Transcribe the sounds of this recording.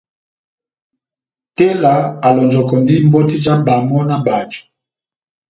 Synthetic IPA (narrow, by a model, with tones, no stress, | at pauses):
te˦la˨a˨lɔ˨nd͡ʒɔ˨kɔ˨ndi˦mbɔ˦ti˦d͡ʒa˦ba˨mɔ˦na˦ba˨d͡ʒu̥˨